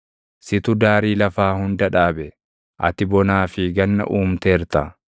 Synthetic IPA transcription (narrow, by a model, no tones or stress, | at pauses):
sɪt̪ʊd̪aːɾiːlɐfaːhʊnd̪ɐᶑaːbɛ | ʔɐ̰t̪ɪbɔnaːfɪɡɐnːɐ̰ʔuːmt̪eːɾt̪ɐ